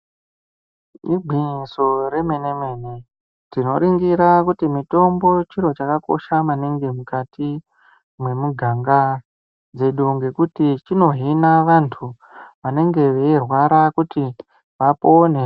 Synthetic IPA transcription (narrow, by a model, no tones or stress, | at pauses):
iɡʱiniso̞ɾe̞me̞neme̞ne̞ | tino̞ɾiŋɡiɾakutimito̞mbo̞t͡ʃiɾo̞t͡ʃakako̞̰ʃamaneŋɡemukati | mwe̞muɡʱaŋɡa | d͡ze̞ɗuŋɡe̞kutit͡ʃino̞ɦinaʋantʰu | ʋane̞ŋɡe̞ʋeirwaɾakuti | ʋapo̞ne